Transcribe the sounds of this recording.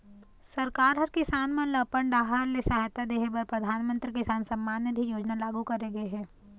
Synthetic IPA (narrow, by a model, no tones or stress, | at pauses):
sɐɾkaːɾɦɐɾkɪsaːnmɐlɐpəɳɖaːɦəɾlesaːɦt̪ad̪eːɦebɐɾpɾɐd̪ʱaːnmə̃nt̪ɾikɪsaːnsɐ̃mːaːnjəd̪ʱijoːd͡ʒnalaːɡukɐɾeɡɐeɦɛː